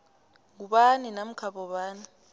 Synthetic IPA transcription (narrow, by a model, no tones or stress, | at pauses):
ŋuɓaninam̩kʰaɓɔɓaːni